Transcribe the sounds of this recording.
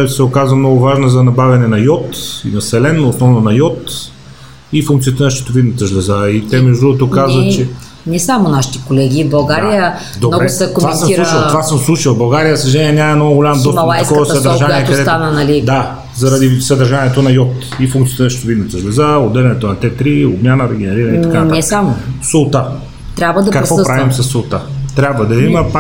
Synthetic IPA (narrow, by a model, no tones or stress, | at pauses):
sɛokazvəmnɔɡʊvaʒnəzɐnɐbavʲɐnɛnɐjɔt̪inɐsɛlɛnːoːsnɔvnonɐjɔt̪ | ifuŋkt̪siət̪ənəʃɛ̥t̪ovid̪nət̪əʒlɛzait̪ɛmɛʒd̪d̪ɾuɡʊt̪okazvət͡ʃɛ | nɛsamonaʃi̥t̪ɛkolɛɡʲibɐlˠɡaɾijə | d̪obnɔɾɡɛʊsɐkomvasəmiɾuilˠt̪vasəmslˠuʃilˠbɐlˠɡaɾijəsɐʒɛnʲiɛnʲamɐɛnɔɡʊɡolʲamd̪ɔsmɐlˠajskɔəsɐd̪ɐɾʒaniɛk̪ɐdsɛt̪anənɐlid̪a | zɐɾɐd̪isɐd̪ɐɾʒaniɛt̪onɐjɔt̪ | ifuŋkt̪iət̪ɛʃt̪ovid̪nt̪əʒlɛzaod̪ːɛlɛnɛt̪onɐt̪ɛt̪ɾiobmʲanəɾɛɡɛnɛɾiɾəniɐkatnɛsamosot̪a | t̪ɾʲabvəd̪ɐkɐkɾvɔpɾavimsɐsːolt̪at̪ɾʲabvɐd̪ɐimɐp